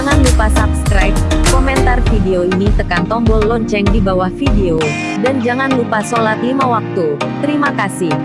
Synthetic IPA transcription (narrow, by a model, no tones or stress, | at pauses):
ŋanlupasap̚skɾajp̚komɛnt̪arfideoinit̪əkant̪ɔmbɔllɔɲt͡ʃɛŋdibawahfideo | dand͡ʒaŋanlupasolat̪limawak̚t̪ut̪əɾimakasɪh